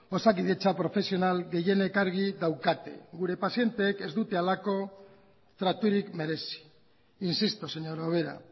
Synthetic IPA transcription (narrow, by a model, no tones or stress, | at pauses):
o̞sak̬iðe̞t͡ʃapɾo̞fe̞sio̞nalɡe̞je̞ne̞kaɾɣ̞iðawkat̪e̞̰ɣuɾe̞pasje̞nt̪e̞ːke̞zd̪ut̪e̞alako̞ | t̪ɾat̪uɾikme̞ɾe̞si̥ | insist̪ose̞ɲo̞ɾoβ̞e̞ɾa̰